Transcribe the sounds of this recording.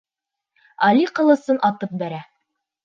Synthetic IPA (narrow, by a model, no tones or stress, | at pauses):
ɑlʲiqɤ̆lˠɤ̆sɤnʔɑt̪ɤp̚bæɾæ